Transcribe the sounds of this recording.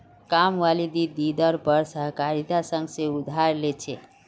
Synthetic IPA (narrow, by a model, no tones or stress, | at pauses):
kamʋalid̪id̪id̪əɾpəɾsəɦkaɾit̪asə̃ŋɡsẽud̪ʱaɾlet͡ʃʰe